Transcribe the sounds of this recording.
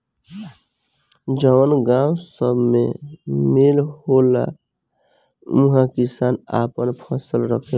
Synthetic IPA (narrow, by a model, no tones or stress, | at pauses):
d͡ʒəwənɡãwsəbʱmḛmelɦola̰ | ũɦãkisaːna̰pənpʰəsəlɾəkʰe